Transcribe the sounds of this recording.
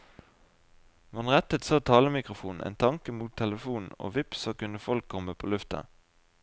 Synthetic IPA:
ʋɑnʁɛt̪ət̪soːt̪ʰɑːləmɪkʁʊfuːn̩ʔḛːnt̪ʰɑŋkəmuːt̪ʰːɛləfuːnn̩o̰ːʋɪpsoːkʉnəfɔlkʰːɔməpʰo̰ːlʉft̪ə̰

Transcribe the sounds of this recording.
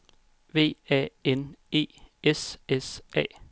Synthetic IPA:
ʋe̝̰ːɛ̰ːene̝̰ːesesɛ̰ː

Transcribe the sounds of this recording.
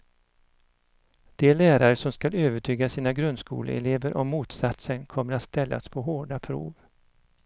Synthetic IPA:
d̪̥ɛɭæːɾaɾəsɔmskaløːvəʈʰyːɡasiːnaɡɾɵnd̪skṵːlə̰ɛ̰leːvəɾʔɔmːuːt̪sat̪sənkʰɔmːəɾat̪st̪ɛlːa̰spʰɔɦoːɖapʰɾṵːv

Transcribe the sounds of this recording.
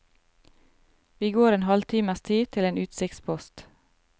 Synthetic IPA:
ʋiːɡoːɾeːnhɑlt̪ʰiːməst̪ʰiːt̪ʰɪleːnʉːt̪sɪkt̪spʰɔst̪

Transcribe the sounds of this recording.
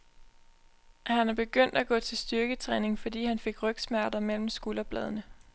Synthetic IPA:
hænæb̥e̝ɡ̥øn̰d̥æɡ̥ɔ̰̽ːt͡sʰe̝lsd̥yɐɡ̥ət͡sʰʁɛːne̝ŋfɒ̽d̥ḭːhænfe̝ɡ̥ʁœɡ̥smæɐd̥ɐmel̰m̩sɡ̥ulɐb̥lɛ̰ːð̞ˠnə

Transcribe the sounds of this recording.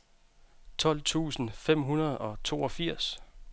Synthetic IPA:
t͡sʰɒ̽l̰t͡sʰṵːsn̩fem̰ɦunɐð̞̩ˠɒ̽t͡sʰo̝ːɒ̽fiɐ̰s

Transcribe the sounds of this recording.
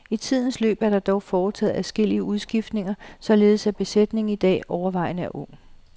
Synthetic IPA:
it͡sʰið̞̰ˠn̩slø̰ːb̥æɐd̥ɑ̈d̥ɒʊfɒːt͡sʰɛ̰ːð̩ˠæsɡ̥e̝l̰iəuð̞ˠsɡ̥ifd̥ne̝ŋɐsɒ̽le̝ːð̞̩ˠsæb̥e̝sed̥ne̝ŋ̩id̥ɛ̰ːɒʊɐʋɑ̈ɪ̰nəæɐʔɔ̽ŋ̰

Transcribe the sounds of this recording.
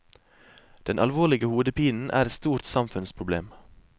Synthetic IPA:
d̪̥ɛnʔɑlʋoːɭɪɡəhuːd̪əpʰiːnn̩ʔæ̰ːɾɛt̪st̪uːɾt̪sɑmfʉnspʰɾʊbleːm

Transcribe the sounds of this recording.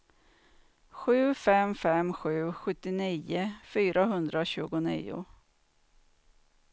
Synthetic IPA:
ɧʉ̟ːfɛmfɛmɧʉ̟ːɧɵt̪ːɪniːəfyːɾʔaɦɵnd̪ɾaɕʉ̟ːɡʊnḭːʊ̰

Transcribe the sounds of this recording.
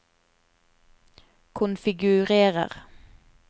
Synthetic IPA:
kʰʊnfɪɡʉʁeːʁə̰ʁ

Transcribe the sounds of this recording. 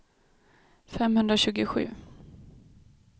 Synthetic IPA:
fɛmhɵnd̪ɾaɕʉ̟ːɡʊɧʉ̟̰ː

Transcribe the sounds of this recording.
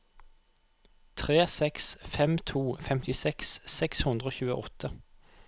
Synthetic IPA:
t̪ʰʁeːsɛksfɛmt̪ʰuːfɛmt̪ɪsɛkssɛkshʉnd̪ʁəoːçʉːə̰ʔɔt̪ʰə

